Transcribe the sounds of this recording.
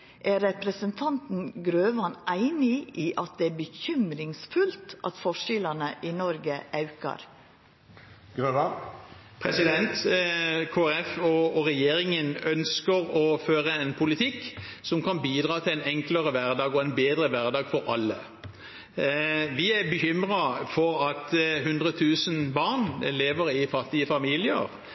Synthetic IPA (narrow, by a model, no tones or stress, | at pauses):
ʔæɾɛpɾəsənt̪ʰɑnt̪n̩ɡɾøːʋɑnæɪnɪiːʔɑt̪̚d̪ɛæːbəçʏmɾɪŋsfʉlt̪ʔɑt̪fɔʂɪlɑnəʔɪnɔɾɡəʔɑʉkɑ̰ɾ | ɡ̥ʁøːʋɑ | pʰɾɛsɪd̪ɛnt̪ | kʰoːɛɛfɔːʁɛjeːɾɪŋənœnskəɾɔføːʁəɛnpʰʊlɪt̪ʰɪkːsɔmkʰɑnbiːd̪ʁɑːt̪ʰɪlæɪnɛŋkləɾəʋæʁd̪ɑːɡɔɛnbeːd̪ʁəʋæʁd̪ɑːɡfɔɾɑlːə | ʋɪæbəçʏmʁɑfɔɾɑt̪ɦʉnd̪ʁət̪ʰʉːsənbɑʁnleːʋəɾɪfɑt̪ːɪəfɑmiːlɪə̰ʁ